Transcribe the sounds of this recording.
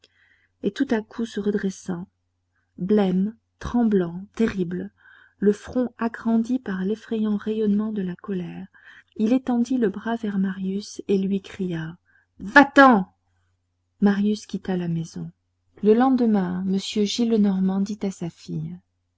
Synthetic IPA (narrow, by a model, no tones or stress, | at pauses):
et̪ut̪akʰusəʁəd̪ʁesɑ̃ | blɛm | t̪χɑ̃blɑ̃t̪eʁibl | ləfχɔ̃aɡʁɑ̃d̪ipaʁlefχɛjɑ̃ʁejɔnmɑ̃d̪əlakɔlɛʁ | ilet̪ɑ̃d̪iləbʁavɛʁmaʁjyselɥikχija | vat̪ɑ̃ | maʁjyskʲit̪alamezɔ̃ | ləlɑ̃d̪əmɛ̃məsjøʒilnɔʁmɑ̃d̪it̪asafij